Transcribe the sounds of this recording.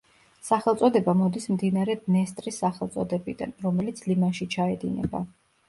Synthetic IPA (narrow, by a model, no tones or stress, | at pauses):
saχɛlt̪sʼɔd̪ɛbamɔd̪ismd̪inaɾɛd̪nɛst̪ʼɾisːaχɛlˠt̪sʼɔd̪ɛbid̪a̰nɾɔmɛlit̪sʰlimaʃit͡ʃʰaɛd̪inɛ̰ba̰